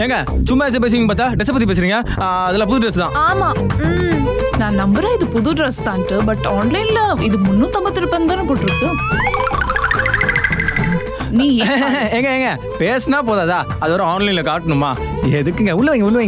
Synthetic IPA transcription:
eːŋɡɐt͡ʃʊmːɐɛs̬ɐp̬eːs̬ɪɾiːŋɡɐpaːɾt̪ːaːɖɛsɐpɐt̪̬ːipeːs̬ɪɾiːŋɡɐ | ɐðɐlãːpʊðʊɖɾɐst̪ãːaːmaː | nãːnɐmbɯɾaːɪðɯpʊðuɖɾɐst̪ãːnʈːɯbɐʈːaːnlɐɪnlɐɪðɯmʊnːũt̪ɐmbɐt̪ːɯlɐpːɐnd̪aːnɯpoːʈːɪɾɯkːɯ | nĩːeːŋɡɐeːŋɡɐ | peːsɐnaːp̬oːðaːðaː | ɐðɐʋɐɾɐaːnlɛɪnlɐkaːʈːɐnɯmːaː | ɛðɯkːɯŋɡɐʊɭːɐʋeːŋɡɐʊlːʋeːŋɡ

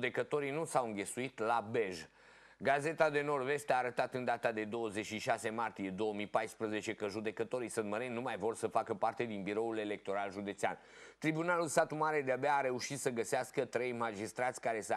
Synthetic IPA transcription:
d̪e̞kət̪o̞ɾinusawɨŋɡʲe̞suit̪labe̞ʒ | ɡaze̞t̪ad̪e̞no̞rve̞st̪eaːɾət̪at̪ɨnd̪at̪ad̪e̞d̪o̞wəzet͡ʃʃiʃase̞mart̪ije̞d̪o̞omipajspɾəze̞t͡ʃe̞kəʒud̪e̞kət̪o̞ɾisɨnt̪məɾennːumajvo̞rsəfakəpart̪e̞d̪inbiɾo̞ule̞le̞k̚t̪o̞ɾalʒud̪e̞t̪sea̰n | t̪ɾibunalulsat̪umaɾed̪eabeaːɾe̞uʃit̪səɡəseaskət̪ɾe̞jmad͡ʒist̪ɾat̪sʲkaɾe̞s

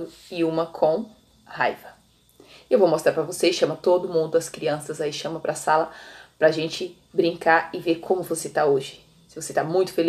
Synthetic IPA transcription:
ʊ | ɪũmɐkʰõ | ha̰jvɐ | ewvowmost̪ɾaɾpɾɐvoseʃɐ̃mɐt̪od̪ʊmũnd̪ʊɐskɾiɐ̃sɐzaiʃɐ̃mɐpɾɐsalɐpɾɐaʒẽnt͡ʃɪ | bɾĩŋkaɾɪveɾkʰõmʊvoset̪aoʒɪ̥ | sɪvoset̪amũj̃t̪ʊ̥fel

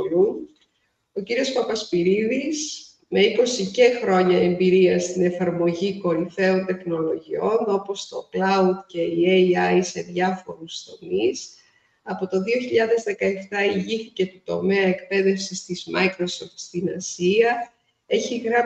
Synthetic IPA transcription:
un | o̞ciɾio̞spɐpɐspiɾiðis | me̞iko̞sice̞xɾo̞ɲɐe̞mbiɾiɐst̪ine̞fɐɾmo̞ʝiko̞ɾiθe̞ont̪e̞xno̞lo̞ʝio̞no̞po̞st̪o̞klɐud̪ce̞ieɐjse̞ðʝɐfo̞ɾust̪o̞mis | ɐpo̞t̪o̞ðio̞çiʎɐðe̞zðe̞kɐe̞ft̪ɐiʝiθice̞t̪ut̪o̞me̞ɐekpe̞ðe̞fsist̪izmɐ̰jkɾo̞soft̪st̪inɐsiɐ | e̞çiɣɾɐ

